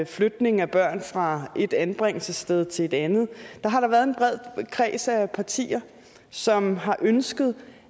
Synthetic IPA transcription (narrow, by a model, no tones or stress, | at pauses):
flød̥ne̝ŋŋ̩æb̥ɶɐ̰nfʁɑ̈e̝d̥ænb̥ʁeŋ̰l̩səsd̥eð̞ˠt͡sʰe̝e̝d̥ænð̞̩ˠd̥ɑ̈ɦɑ̈ɾɑ̈ʋæːɐð̞ˠenb̥ʁɛð̞̰ˠkʰʁɛ̰ːsæpʰɑ̈t͡sʰḭːɐ | sɒ̽mɦɑ̈ʔønsɡ̥əð̞̩ˠ